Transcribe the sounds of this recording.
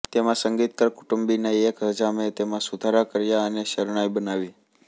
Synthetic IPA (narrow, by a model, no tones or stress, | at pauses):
t̪emãsəŋɡit̪̚kəɾkuʈumbineekɦəd͡ʒamet̪emãsud̪ʱaɾakəɾjaəneʃəɾɳ̃ajbənaʋi